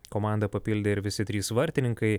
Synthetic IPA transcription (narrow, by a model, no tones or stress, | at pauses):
koːmɑˑnd̪ɐpɐpʲilʲd̪ʲeɪɾʋʲɪsʲɪt̪ʲɾʲiːsʋɐɾʲt̪ʲɪnʲɪŋkɐɪ